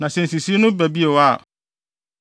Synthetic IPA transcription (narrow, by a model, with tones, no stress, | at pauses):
nã˨sɛ̃˨n˨si˨si˦nʊ̃˦bæ˨bi˦e˨wa˦˨